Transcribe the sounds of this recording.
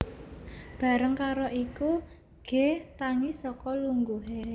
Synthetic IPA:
b̥ä̤ɾəŋkaɾoʔiku | ɡ̥e̤ht̪aŋisɔkɔluŋɡuɦe

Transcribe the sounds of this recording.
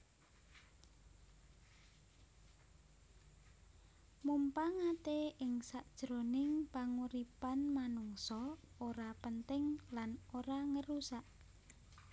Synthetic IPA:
mumpaŋat̪eɪŋsaʔd̥ʒ̥ɾonɪŋpaŋuɾipanmanuŋsɔoɾapənt̪ɪŋlanoɾaŋəɾusaʔ

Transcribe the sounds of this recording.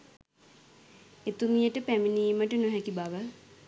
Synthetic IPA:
et̪umijəʈəpæminiːməʈənoɦɛkibaʋə

